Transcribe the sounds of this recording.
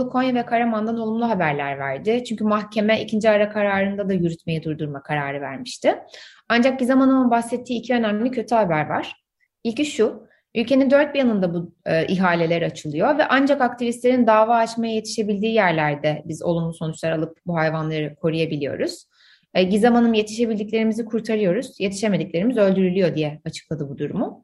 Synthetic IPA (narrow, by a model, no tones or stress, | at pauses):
kʰo̞njavɛkʰaɾamand̪ano̞lˠumlˠuɦabæɾlʲæɾvæɾd̪ɪt͡ʃʰyɲcʰymaxcʰe̞mɛʔicʰind͡ʒiaɾakʰaɾaːɾɯnd̪ad̪ajyɾyt̪me̞jid̪uɾd̪uɾmakʰaɾaːɾɯvæ̰ɾmiʃt̪ʰɪ | and͡ʒak̚ɟizamanɯmɯnbaxsɛt̪ʰːiːcʰiø̞næmlʲicʰø̞t̪ʰyhabæɾva̰ɾ̥ | ilʲciʃu | ylʲcʰe̞nind̪øɾt̪̚bijanɯnd̪abuːʔiɦaːlʲe̞lʲeɾat͡ʃʰɯlˠɯjo̞vɛ̰ʔand͡ʒakak̚t̪ʰivist̪lʲe̞ɾind̪aːvaːt͡ʃmajaje̞t̪ʰi̥ʃe̞bilʲd̪iːjæɾlʲæɾd̪ɛbizo̞̰lˠunlˠuso̞nut͡ʃlˠaɾalˠɯp̚buɦajvanlˠaɾɯkʰo̞ɾujabilʲijo̞̰ɾuz̥ | ɟizamanɯmje̞t̪ʰi̥ʃe̞bilʲd̪ic̬ʲlʲe̞ɾimizikʰuɾt̪ʰaɾɯjo̞ɾuz̥je̞t̪ʰi̥ʃeme̞d̪iclʲe̞ɾimizø̞lʲd̪yɾylʲyjo̞d̪ijɛat͡ʃʰɯ̥klˠad̪ɯbud̪uɾumʊ